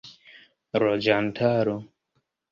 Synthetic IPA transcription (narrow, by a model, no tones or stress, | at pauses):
ɾɔd͡ʒantʰaɾo